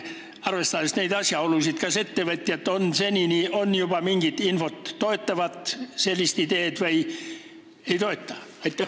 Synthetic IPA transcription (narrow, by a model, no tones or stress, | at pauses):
ɑrʋest̪ɑst̪næid̪ɑsʲjɑolːusit̪kɑset̪ːeʋet̪ːiet̪ːonseninionjob̥ɑmiŋɡ̥it̪infot̪ːoet̪ːɑʋɑt̪selːist̪id̪eːt̪ʋɑi | eit̪oet̪ːɑ̥ | ɑit̪ː